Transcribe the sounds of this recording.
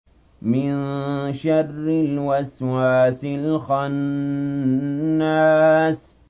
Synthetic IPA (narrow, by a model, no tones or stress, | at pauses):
mɪnʃarːɪlwaswaːsɪlxan | aːs